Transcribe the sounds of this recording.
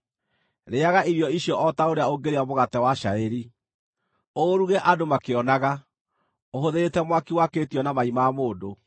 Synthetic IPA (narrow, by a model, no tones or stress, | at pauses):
ɾeaɣaʔiɾjɔiɕjɔʔɔtaoɾeaoɡeɾeamoɣatɛwaʃaeɾi | oɾuɣɛʔadomakeɔnaɣa | oɦoðeɾetɛmwakiwakeːtiɔnamaimaːmoːdo